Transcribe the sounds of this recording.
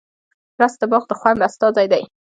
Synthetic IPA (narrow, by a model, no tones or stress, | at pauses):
ɾasd̪əbɑɣd̪əxwanbast̪ɑzajd̪aj